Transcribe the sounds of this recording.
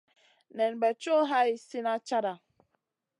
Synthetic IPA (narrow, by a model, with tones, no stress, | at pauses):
nɛ˨n˨ɡ͡bɛ˨t͡ʃo˦ɦa˦i˨si˦na˦t͡ʃa˦ɾa˨